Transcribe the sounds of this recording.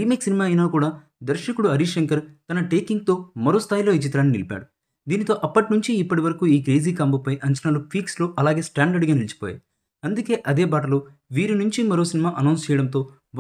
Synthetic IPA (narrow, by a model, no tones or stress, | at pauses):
iːmeːksinimaːɐjnaːkuːɽaː | d̪ɐɾʃɐkuɽuɐɾiʂɐŋkɐɾt̪ɐnɐʈeːkiŋɡ̚t̪o̞ːmɐɾo̞ːst̪ʰaːjlo̞ːit͡ʃit̪ɾaːnːinilipʲa̰ːɽu | d̪iːnit̪o̞ːʔɐpːɐʈinuɲt͡ʃiːpːɐʈiʋɐɾɐkuiːkɾeːziːkaːmbɐpɐjʔɐɲt͡ʃɐnaːlupʰiːksloːʔɐlaːɡe̞ːsʈaːɳɖɐɾɖɡaːnilit͡ʃi̥poːja̰ːji | ɐnd̪uke̞ːʔɐd̪e̞ːbaːʈ̬ɐloː | ʋiːɾinuɲt͡ʃimɐɾo̞ːsinimaːʔɐnɐwnst͡ʃɛːjɐɽɐmt̪o̞ː